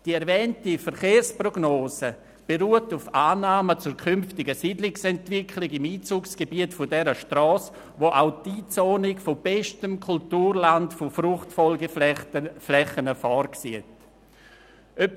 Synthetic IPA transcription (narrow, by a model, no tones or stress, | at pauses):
d̥iɛɾvɛːntifɛɾχeːrsproɡnoːsə | b̥eɾuːətufaːnaːmət͡suːɾkʰʏmftɪɡəsidlɪksɛntvɪkʰlɪɡɪmiːt͡suːksɡ̥ebiətfʊdɛɾəʃtrɔːs | ʋoʔaʊtiːt͡soːnɪkfob̥ɛʃtəmkʰultuːrlantfofɾuχtfɔlɡə | flɛχənəfɔrksiət | ʔøp